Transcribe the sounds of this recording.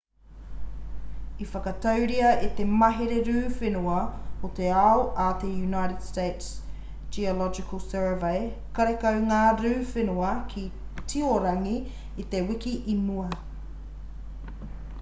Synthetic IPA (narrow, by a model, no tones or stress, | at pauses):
ifɐkɐt̪ɐwɾiɐit̪emɐɦeɾeɾʉːfenuɐhot̪eawʔat̪ejunajɾɪd̥stejts | d͡ʒiolɔd͡ʒɪkʰəlˠsɜː˞vejkɐɾekɐwŋaːɾʉːfenuɐkʰi | tʰioɾɐŋiː | t̪ewɪkiʔimuɐ